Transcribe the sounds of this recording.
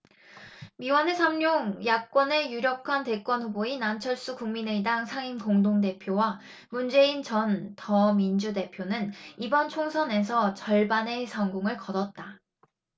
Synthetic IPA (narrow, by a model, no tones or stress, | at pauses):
miwʌnesʰamɲoŋjak̚k͈ʌne̞juɾjʌp̚kʰante̞k͈wʌnɸuboinant͡ɕʰʌɭs͈ukuŋmineidaŋsʰaŋinkoŋdoŋde̞pʰjowa | mund͡ʑe̞int͡ɕʌntʌmind͡ʑude̞pʰjonɯnibʌnt͡ɕʰoŋsʰʌne̞s̬ʰʌt͡ɕʌɭbane̞sʰʌŋɡoŋɯɭkʌdʌt̚t͈a